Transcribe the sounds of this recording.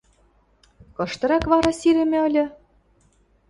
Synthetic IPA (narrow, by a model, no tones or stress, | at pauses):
kɤ̆ʃt̪ɤ̆ɾɑkβɑɾɑsiɾɘ̆mʲɘ̆ɤ̆lʲɤ̆